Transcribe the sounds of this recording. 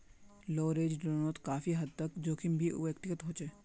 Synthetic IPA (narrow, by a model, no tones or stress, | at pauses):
loːɾeːd͡ʒɖoːnoːt̪kaːfiɦɐd̪̚t̪ɐkd͡ʒoːkimbʱio̰ʋjəkt̪ɪkət̪ɦoːt͡ʃeː